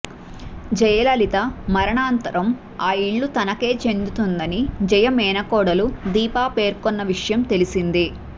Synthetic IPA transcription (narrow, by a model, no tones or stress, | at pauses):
d͡ʒɐjɐlɐlit̪ɐmɐɾɐɳaːnt̪ɐɾɐm | aːiɭːut̪ɐnɐke̞ːt͡ʃe̞nd̪ut̪und̪ɐnid͡ʒɐjɐmɛːnɐkɔːɽɐlud̪iːpaːpe̞ːɾkonːɐʋiʂɐjɐmt̪e̞lisind̪i